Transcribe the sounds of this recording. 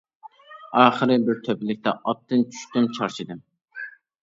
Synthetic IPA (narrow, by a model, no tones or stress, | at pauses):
ɑːχəɾɪbɪɾt̪ʰøpɪlɪk̚ʲt̪ɛʔɑp̚t̪ːɨnt͡ʃʰy̥ʃt̪ɪmt͡ʃʰɑɾt͡ʃʰid̪ɨm